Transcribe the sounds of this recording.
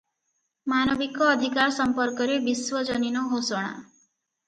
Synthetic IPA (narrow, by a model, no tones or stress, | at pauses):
manɔbikɔːd̪ʱikaɾsɔmpɔɾkɔɾebiswɔd͡ʒɔninɔɦosɔɽ̃a̰